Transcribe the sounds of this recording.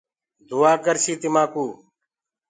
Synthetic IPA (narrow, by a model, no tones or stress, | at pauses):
d̪ʱʊaːkəɾsiːt̪ɪmaːkuː